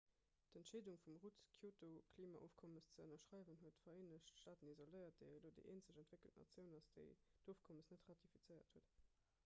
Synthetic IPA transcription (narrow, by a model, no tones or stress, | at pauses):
tæntʃeɪduŋfumʁutkʰjoːtokʰliːmɑ̰ʔo̰ːfkʰɔməst͡səənɐʃʁɑɪvənɦuətfɐeːnəɕtʃtaːtənizoləɪɐt̚d̥əɪloːdəɪʔeːnt͡səɕæntv̥ekəltnɑ̰t͡sjəʊnɑsd̥ə̰ɪd̥oːfkʰɔməsnətʁɑtʰifit͡səɪɐ̰thuət